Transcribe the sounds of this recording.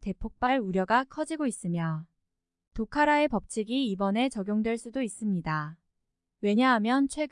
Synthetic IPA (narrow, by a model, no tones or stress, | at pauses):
te̞pʰok̚p͈aɭuɾjʌɡakʰʌd͡ʑiɡois͈ɯmjʌ | tokʰaɾae̞pʌp̚t͡ɕʰiɡiːbʌne̞t͡ɕʌɡjoŋdwe̞ɭs͈udois͈ɯmɲida | we̞ɲaɦamjʌnt͡ɕʰwe̞ɡ